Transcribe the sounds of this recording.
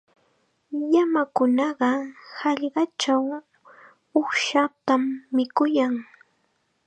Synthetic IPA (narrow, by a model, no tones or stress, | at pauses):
jamakʊnɑɢɑhɑʎɢɑt͡ʃaw | ʊχʃat̪amːɪkʊjaŋ